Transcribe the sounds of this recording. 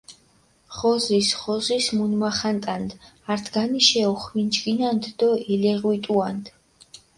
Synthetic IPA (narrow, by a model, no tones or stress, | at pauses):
χɔzisχɔzismunmaχant̪ʼand̪ | aɾt̪ʰɡaniʃɛɔχwind͡ʒɡinand̪d̪ɔilɛʁwit̪ʼuand̪̥